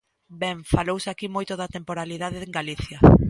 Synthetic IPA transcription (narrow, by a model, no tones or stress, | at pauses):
bɛŋfalowsakimojt̪oðat̪empoɾaliðaðeeŋɡaliθjɐ